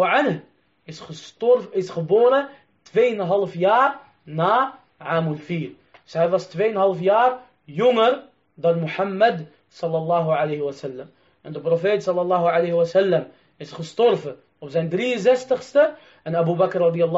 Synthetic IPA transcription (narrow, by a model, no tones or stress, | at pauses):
ʕan | ɪsətɪsχəboːɾə | tʋeːjənɦɑlfjaːɾ | naː | ʕaːmulfiːɾ | døsɦɛjʋɑstʋejənɦɑlfjaːr | jɔŋəɾ | d̪ɑnmuħamːəd̪ | sɑlːɑlːɑːɦuʕalejɦəwɑsɛlːəm | ʔɛndəpɾofeːtsɑlːɑlːɑːɦuʕalejɦəwɑsælːəm | ɪsχəstɔɾvə | ɔfzɛjnd̪ɾijənzɛstəχstə | ʔɛnʔæbubækrːɑd̪ijɑlˠː